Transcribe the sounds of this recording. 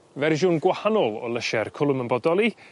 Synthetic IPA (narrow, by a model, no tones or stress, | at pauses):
vɛrʒʊnɡwahanɔlˠɔ̰lˠəʃɛrkʰʊlˠəmənbɔdɔlˠi